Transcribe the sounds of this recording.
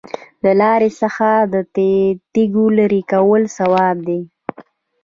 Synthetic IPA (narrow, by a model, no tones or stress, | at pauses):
lalɑɾesəxad̪ət̪et̪iɡolaɾikawəlsawɑb̚d̪e